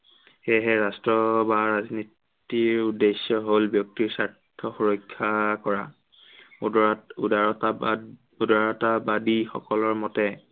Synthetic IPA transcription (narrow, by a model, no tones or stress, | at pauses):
xeɦɛɹastɹɔbaɹazni | tiɹudesːɔɦolbjɔk̚tiɹsaɹtʰɔxoɹɔjkʰːakɔɹa | dɔa | udaɹɔtabadixɔ̰kɔlɔɹmɔtɛ